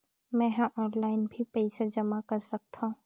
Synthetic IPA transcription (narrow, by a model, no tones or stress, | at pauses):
mɛ̃ɦãʔɔːnlaːɪnbʱipɛɪsed͡ʒəmakəɾsɐk̚t̪ʰãũ